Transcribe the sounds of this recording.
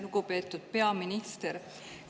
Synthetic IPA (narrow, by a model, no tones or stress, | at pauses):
nuɡupe̞ːt̪ːˑud̪̥̚pe̞ɑminist̪eɾ